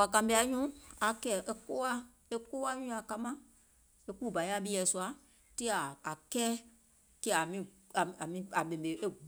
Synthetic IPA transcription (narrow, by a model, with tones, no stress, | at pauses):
wa˨kã˨bi˧˦a˨˦ɲũ˦a˨kɛː˨ʔe˧˦koː˦a˦ | e˦ko˦a˦ɲũ˦a˨ka˧mã˦ | e˦ku˦˨ba˨i˦a˦ɓi˦˧˦ɛ˨su˧a˨˦ | ti˦aː˨kɛː˦ | kɛ˦˨a˨mĩ˦ | a˨a˨mĩ˦a˨ɓẽ˨be˨e˦